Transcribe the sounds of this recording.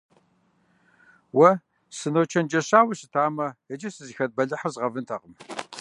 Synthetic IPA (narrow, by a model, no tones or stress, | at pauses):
wɐ | sɨnowt͡ʃʰɐnd͡ʒɐɕaːwɐɕɨtʰaːmɐɐd͡ʒɐsɨziːxɐt̚bɐɮɨħazʁɐvɨntʰɐqəm